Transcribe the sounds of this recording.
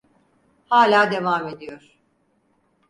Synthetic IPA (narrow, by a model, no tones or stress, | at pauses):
haːlʲaːd̪e̞vaːme̞d̪ijoɾ̥